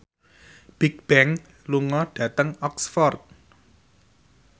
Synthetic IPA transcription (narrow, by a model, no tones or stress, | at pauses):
b̥ik̚b̥ɛŋ | luŋɔɖ̥ä̤t̪əŋɔksfɔrt̪̚